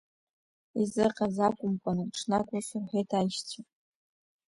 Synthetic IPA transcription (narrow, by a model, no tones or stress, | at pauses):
izɨqʼazakʷʼʊmkʷʼanɨʈ͡ʂʰnakʷʼasʊrħʷejtʰajʃt͡sʰa